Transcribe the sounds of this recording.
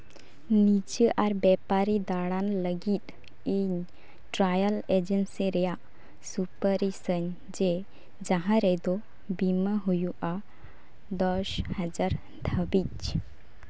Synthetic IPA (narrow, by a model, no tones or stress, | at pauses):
nit͡ʃəʔaɾbɛpaɾid̪aɽanləɡit̪̚ | iɲ | ʈɾajəled͡ʒənsiɾɛjaʔ | supəɾisəɲ | d͡ʒe | d͡ʒaɦãɾɛd̪ɔ | biməɦujuʔa | d̪ɔshəd͡ʒaɾ | d̪ʱəbit͡ʃ